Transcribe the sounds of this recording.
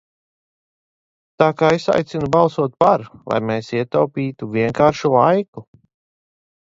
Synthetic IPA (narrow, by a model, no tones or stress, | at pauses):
t̪aːkaːesa̰jt̪sinubɑlˠsuɔt̪̚paɾlˠa̰jmeːsiɛt̪awpiːt̪uviɛŋkaːɾʃulˠajku